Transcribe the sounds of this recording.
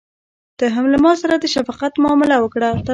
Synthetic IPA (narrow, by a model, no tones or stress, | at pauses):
d̪̥əɦamləmɑsaɾad̪əʃafɑqat̪mʊɑmɪlawəkɽat̪a